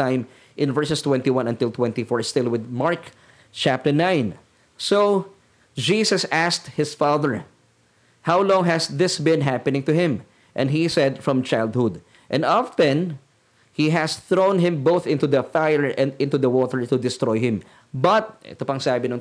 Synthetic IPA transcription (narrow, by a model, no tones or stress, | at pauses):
ãɪ̃m | ʔɪ̃nvɛɹsɛst̪wɛ̃nt̪iwãnɐ̃nt̪ɪlˠt̪wɛ̃nt̪ifɔɹst̪ɪlwɪd̪maɹk | t͡ʃæp̚t̪ə˞nãɪ̃n | so | d͡ʒiːsɐsæst̪̚hɪsfaðəɹ | hawlɔ̃ŋɦæsðɪsbɪ̃nɦæpɨnɪ̃ŋt̪ʊhɪ̃m | ʔɛ̃ndɦisɛd̪fɹʌ̃mt͡ʃajld̪̚hʊd̪ | ʔɛ̃nd̪aftɛ̃n | hiɦæsθɹõʊ̃nɦɪ̃mboʊθɪ̃nt̪uðɐfajəɹʔɛ̃nd̪ɪ̃nt̪uðɐwɔt̪əɹt̪ʊd̪ɪst̪ɹɔjhɪ̃m | bɐt̪̚ʔɛ̰t̪ʊpɐŋsaːbɪnʊ̃ŋ